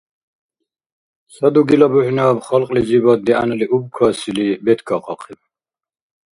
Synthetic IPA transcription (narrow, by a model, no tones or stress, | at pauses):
sad̪uɡilɔbuħnabχɔlqʼlid͡zibɔd̪ia̰nɛliʔub̚kʰwasilibɛd̪ɡɔqʼɔ̰qʰɛb